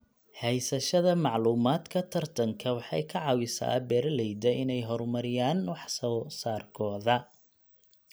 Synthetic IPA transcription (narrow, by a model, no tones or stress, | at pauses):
hɛjsɐʃɐðɐmɑʕluːmaːd̪kʰɐt̪ʰɐrt̪ʰɐŋkʰɐwɑħɑjkʰɐʕɑwɪsa̰ːbɛːrlɛjd̪ɐʔɪnɛjɦɔrmɐɾɪjaːnwɑħsɔːsaːrkʰɔːðɐ